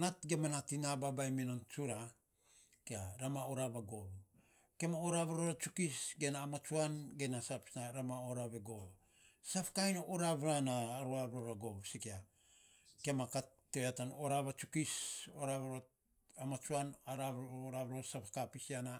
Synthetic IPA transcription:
natɡe̞manatinababajminont͡ʃuɾa | keaɾamaoɾaβaɡoβ | ke̞maoɾaβaɾoɾat͡ʃukisɡe̞naːmat͡ʃuanɡe̞nasapsnaɾamaoɾaβeɡoβ | sapakajnaʔoɾaβɾanaːɾuaβɾoɾaɡo̞βsikea | ke̞maka | tːeeatanoɾaβat͡ʃukisoɾaβeɾo | amat͡ʃuanaɾaβoɾaβɾosapakapisiana

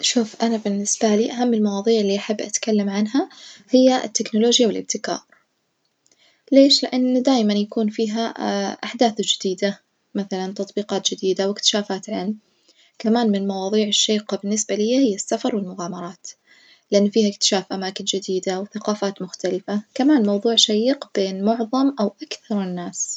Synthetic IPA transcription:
ʃuːfʔanabɪnːɪsbaliːʔaɦamːɪlmɑwɑːðˤiːʕɪlːiːʔaħabːʔat̪kalːamʕanɦahɪjːaʔɪ̰t̪ːɪknʊloːd͡ʒjawɪlʔɪb̚t̪ɪkɑ̰ːɾˤ | leːʃlɪʔanːd̪aːjmanjakuːnfiːɦaʔaħd̪aːθd͡ʒɪd̪iːd̪a | maθalant̪ɑt̪ˤbiːqɑːt̪̚d͡ʒɪd̪iːd̪awɪkt̪ɪ̥ʃaːfaːt̪ʕɪlm | kamaːnmɪnmɑwɑːðˤiːʕɪʃːeːqbɪnːɪsbalɪjːahɪjːasːafɑɾˤwɪlmʊɣaːmɑɾˤɑːt̪ | lɪʔanːfiːhaɪkt̪ɪ̥ʃaːfʔamaːkɪnd͡ʒɪd̪iːd̪awθaqɑːfaːt̪mʊxt̪alɪfakamaːnmɑwðˤuːʕʃajiːqb̥eːnmʊʕðˤɑmʔawʔakθɑɾˤɪnːaːs

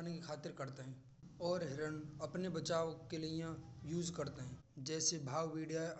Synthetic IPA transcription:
nekixʰaːt̪ɪɾkɐɾt̪eɦɛ̃ː | ɔːɾɦɪɾənɐpnebɐt͡ʃaːʋkelijãjuːzkɐɾt̪eɦɛ̃ː | d͡ʒɛːsebʱaːʋʋiːɽija

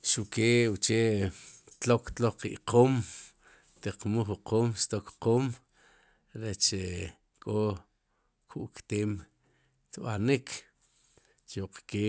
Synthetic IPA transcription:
ʃuʔkeːwut͡ʃeʔt̪lokt̪loχqḭʔqʰoːm | t̪iqmuχuqoːmʃt̪okqoːm | ɾet͡ʃe | kʼo | kʰuʔkt̪eːm | t̪ɓanikʰ | t͡ʃuqkeː

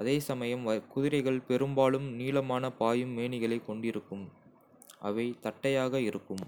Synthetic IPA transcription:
ʔɐðeːsɐmɐjɐmɐkʊðɪɾɐɪɣɐɭpɛɾɯmbaːɭɯmniːlɐmaːnɐpaːjɯmːeːɳɪɣɐɭɐɪkːɔɳɖɪɾɯkːɯm | ʔɐ̰ʋɐɪt̪ɐʈːɐjaːɣɐɪɾɯkːɯm

